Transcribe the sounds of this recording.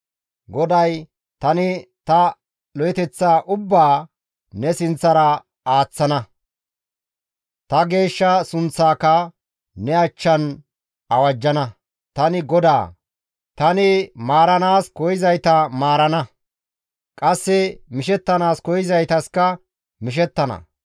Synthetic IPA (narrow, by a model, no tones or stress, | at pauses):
ɡɔd̪ɐj | t̪ɐnɪt̪ɐ | lɔjɛt̪ɛt͡sːaːʔʊbːaː | nɛsɪnt͡sːɐɾɐ | aːt͡sːɐnɐ | t̪ɐɡe̞ːʃːɐsʊnt͡sːaːkɐ | nɛɐt͡ʃːɐn | ɐwɐd͡ʒːɐnɐ | t̪ɐnɪɡɔd̪a̰ː | t̪ɐnɪmaːɾɐnaːskɔjɪzɐjt̪ɐmaːɾɐnɐ | kʼɐsːɛmɪʃɛt̪ːɐnaːskɔjɪzɐjt̪ɐskɐ | mɪʃ̬ɛt̪ːɐnɐ̰